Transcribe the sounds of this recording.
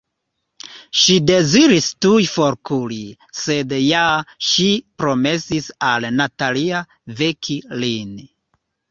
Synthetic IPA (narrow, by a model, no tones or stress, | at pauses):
ʃide̞ziɾistujfo̞ɾkuli | se̞djaʃipɾo̞me̞sisalnatalia | vekʰilin